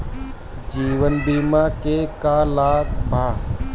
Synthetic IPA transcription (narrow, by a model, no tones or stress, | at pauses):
d͡ʒiːʋənbiːmãːkekaːlaːkbʱaː